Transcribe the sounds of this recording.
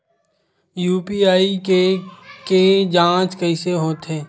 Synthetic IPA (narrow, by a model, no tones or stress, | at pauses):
juːpiaːikeked͡ʒãːt͡ʃkəɪseɦoːt̪ɦeː